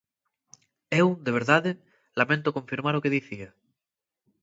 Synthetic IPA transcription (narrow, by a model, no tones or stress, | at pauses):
ewd̪eβ̞eɾðaðe | lamẽnt̪okõɱfiɾmaɾokeðiθia